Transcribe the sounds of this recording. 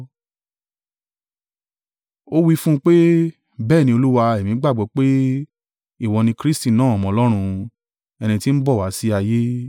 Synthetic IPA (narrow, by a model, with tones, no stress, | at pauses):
o˦wi˦fũ˦k͡pe˦ | bɛː˦˨nĩ˧o˧lu˦wa˧ɛ˨mĩ˨˦ɡ͡ba˦˨ɡ͡bɔ˨˦k͡pe˦ | i˦˨wɔ˧nĩ˧kɾi˦sti˦˨nãː˦˨ɔ˨mɔ̃˧˨lɔ˦ɾ̃ũ˧ | ɛ˧nĩ˧ti˦n̩˦bɔ˦˨wa˨˦si˦a˧je˦